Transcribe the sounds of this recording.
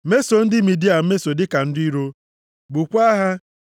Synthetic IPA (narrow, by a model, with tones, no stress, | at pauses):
me˦so˨n̩˦dɪ˦mi˨di˦a˨m̩˦me˦so˨dɪ˦ka˨n̩˦di˦ɾo˦ | bu˨kʷa˦ɦa˦